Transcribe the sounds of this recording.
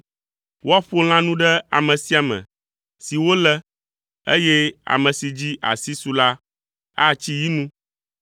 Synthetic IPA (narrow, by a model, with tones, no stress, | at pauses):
wʔo˦a˦ɸo˦l̃ã˦nũ˦ɖɛ˦a̰˨mɛ̃˨si˦a˨mɛ̰̃˨ | si˨wo˦lɛ˦ | e˦jɛ˦a̰˨mɛ̃˨si˨d͡ʑi˦ʔa̰˨si˦su˨la˦ | a˦t͡ɕi˦ji˦nũ˦